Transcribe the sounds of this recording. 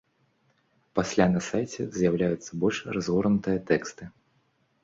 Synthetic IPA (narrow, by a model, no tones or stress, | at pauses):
pasʲlʲanɐsajt͡sʲɛ̰zʲjawlʲajut̪sːɐbɔlʲʂrazɣɔrnut̪ɨjɐt̪ɛkst̪ɨ